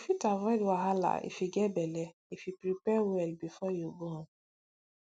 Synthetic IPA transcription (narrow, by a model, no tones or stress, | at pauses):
fitavɔdwaɦala̰ḭfiɡɛbɛlɛ | ifipɾipɛwɛlbifɔjobo